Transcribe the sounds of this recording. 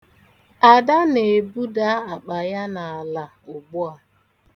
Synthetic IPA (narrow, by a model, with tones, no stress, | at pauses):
a˨da˦ne˨bu˦da˦a˨k͡pa˨ja˦na˨a˨la˨ | ʊ˨ɡ͡bʊ˦a˨